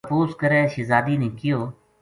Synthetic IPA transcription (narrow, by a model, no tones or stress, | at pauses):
fuːzkəɾɛːʃɪzaːd̪iːnẽːkɪjoː